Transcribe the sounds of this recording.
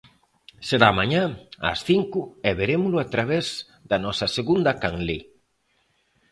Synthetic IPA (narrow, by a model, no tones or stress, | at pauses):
seɾamaɲãɐ̰sθiŋkʊɛβeɾemʊlʊat̪ɾaβɛz | d̪ɐnɔsɐseɣund̪ɐkaŋle